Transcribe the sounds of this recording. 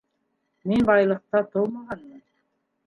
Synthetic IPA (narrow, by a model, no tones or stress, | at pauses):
menbɑjlˠɤq̚t̪ɑt̪ʰolˠmɑʁɑnmɯn